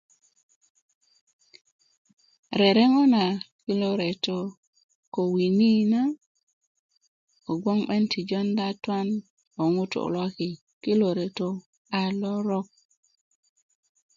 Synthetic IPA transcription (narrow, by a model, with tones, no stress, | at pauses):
ɾe˨ɾe˦ŋo˦na˨ki˦lo˦ɾe˨to˨ | ko˨wi˨ni˦na˦ | o˨ɡʷo˦ŋɓe˦nti˨d͡ʒo˦nda˦ta˦n | o˨ŋu˦to̰˨lwa˦ki˨ | ki˦lo˨ɾe˨to˦ | a˨lo˦ɾɔ˦k̚